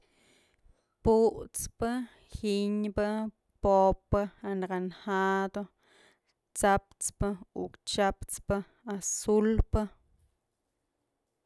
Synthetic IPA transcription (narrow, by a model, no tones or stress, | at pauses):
puʔt͡spɨ | hiɲbɨ | popːɨanɡanhad̪o | t͡sap̚t͡spɨukt͡ʃapt͡spɨ | asulpɨ